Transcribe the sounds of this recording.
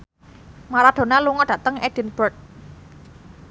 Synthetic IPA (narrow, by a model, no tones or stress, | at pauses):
maɾad̪̥o̤naluŋɔɖ̥ä̤t̪əŋɛd̥i̤nb̥ərt̪̚